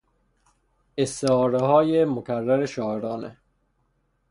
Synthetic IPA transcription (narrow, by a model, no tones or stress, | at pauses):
est̪eɒːɾeɦɒːjemokʰærːæɾeʃɒːeɾɒːnḛ